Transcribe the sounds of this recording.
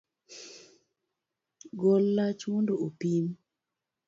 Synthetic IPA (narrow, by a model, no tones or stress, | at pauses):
ɡolːat͡ʃmondoopim